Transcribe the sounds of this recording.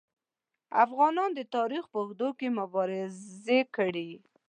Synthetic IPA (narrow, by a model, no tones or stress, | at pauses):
afɣɑnɑnd̪ət̪ɑɾixpəɣd̪okemʊbɑɾɪekəɽi